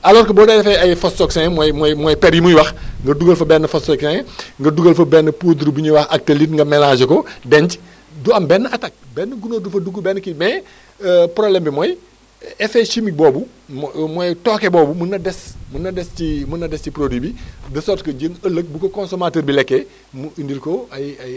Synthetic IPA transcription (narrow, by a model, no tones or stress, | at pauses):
ɐlɔːɾkɐbɔːdɐdɛfɛɐjfɔstɔksɛŋmɔjmɔjmɔjpɛɾjimujwɐxŋɡɐduɡəlfɐbɛnːəfɔstɔksɛŋɡɐduɡəlfɐbɛnːəpuːduɾbuɲuwɐxɐk̚telitŋɡɐmɛlaːd͡ʒəkɔdɛɲc | duɐmbɛnːəɐtɐk̚bɛnːəɡunodufɐduɡubɛnːəkimɛ | prɔblɛmbimɔj | ɛfeʃimik̚bɔbu | mɔjtɔkɛbɔːbumunːɐdɛsmunːɐdɛscimunːɐdɛsciprodibidɐsɔrtkoɟənəlːək̚bukokɔnsomaːtəːɾbilɛkːɛ | muindilkɔɐjɐj